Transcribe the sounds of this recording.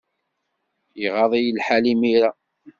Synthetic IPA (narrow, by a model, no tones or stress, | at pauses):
jiʁɑðˤijlħalimiɾa